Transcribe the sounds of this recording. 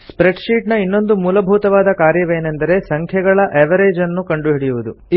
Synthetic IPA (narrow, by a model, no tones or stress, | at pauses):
spɾe̞ɖʃiːʈnɐinːo̞nd̪umuːlɐbʱuːt̪ɐʋaːd̪ɐkaːɾjɐʋe̞ːnend̪ɐɾe̞sɐŋkʰjɐɡɐɭɐʔeʋɐɾe̞ːd͡ʒɐnːukɐɳɖuɦiɽijuʋud̪u